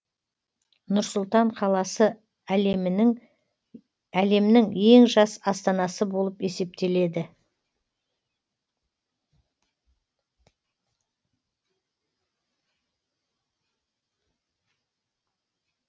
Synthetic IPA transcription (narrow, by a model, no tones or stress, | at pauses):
nʊɾsʊlˠt̪ɑɴqʰɑlˠɑsə | m | æle̞mɪnɪŋe̞ŋʒɑsɑst̪ɑnɑsəbo̞lˠəpe̞se̞p̚t̪e̞le̞d̪ɪ